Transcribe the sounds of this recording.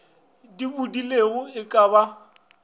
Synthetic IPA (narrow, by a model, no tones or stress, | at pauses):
dibudileɣʊɪkʼaba